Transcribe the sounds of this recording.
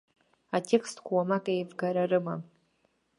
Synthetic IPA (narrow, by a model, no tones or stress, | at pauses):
atʰe̞kʰstʰkʷʰawamakʼejvɡaɾaɾɨma